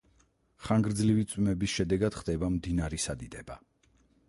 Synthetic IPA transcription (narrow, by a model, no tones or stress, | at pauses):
χaŋɡɾd̪zlivit̪sʼwmɛbisʃɛd̪ɛɡad̪̥χd̪ɛbamd̪inaɾisad̪id̪ɛba